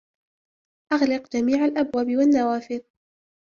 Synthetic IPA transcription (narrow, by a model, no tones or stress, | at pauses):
ʔaɣlɪqd͡ʒamiːʕalʔabwaːbɪwanːawaːfɪð